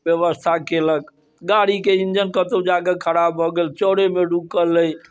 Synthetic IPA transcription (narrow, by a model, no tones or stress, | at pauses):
jəʋəst̪ʰakelək | ɡaɽikeind͡ʒənkət̪od͡ʒaɡəkʰəɾabɦɔɡelt͡ʃoɽemeɖukəlːəj